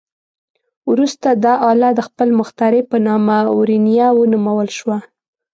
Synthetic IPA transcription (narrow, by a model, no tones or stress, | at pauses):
wɾust̪ad̪ɑʔɑlɑd̪əxpəlmʊxt̪ɑɾepənɑmawɾinijawənumawəlʃwa